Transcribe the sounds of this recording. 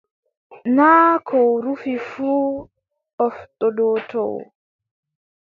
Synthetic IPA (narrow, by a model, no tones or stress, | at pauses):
naːkʰɔwɾufifuː | ɔftʼɔɗɔːtɔ̰w